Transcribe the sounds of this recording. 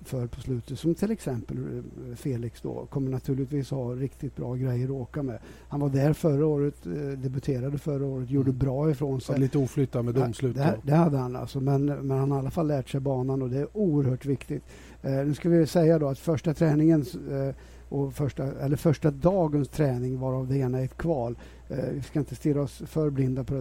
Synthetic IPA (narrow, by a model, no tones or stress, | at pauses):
fœɾpʰɔslʉ̟ːt̪ət̪sɔmt̪ʰɪlɛksɛmpəlfeːlɪksd̪ɔ̰kʰɔmːəɳat̪ʰʉ̟ːlɪt̪viːshɑɾɪkt̪ɪt̪̚bɾɑ̰ːɡɾɛjːəɾɔoːkamɛ̰ | hanvaɖ̪æɾfœɾːaoːɾət̪d̪ɛbɵt̪ʰeːɾad̪əfœɾəoːɾət̪̬juːɖəbɾɑːɪfɾoːnsɛliːt̪əuːflʏt̪ːamɛd̪ɔmslʉ̟ːtd̪ɛd̪ɛhad̪ːəhana̰lsɔmɛnmɛnhanalːafalːæːʈʂɛjbɑːnanɔd̪ɛæɾuːəɾhœːʈvɪkt̪ɪt̪ | nʉ̟ːskavɪsɛjːad̪ɔat̪fœʂʈat̪ʰɾɛːnɪŋən | ʔɔfœʂʈaɛlːəɾfœʂʈad̪ɑːɡənst̪ʰɾɛːnɪŋvaɾavd̪ɛeːnaɛt̪kʰvɑːl | vɪskaɪnt̪əst̪ɪlːaɔsfœɾblɪnd̪apʰɔ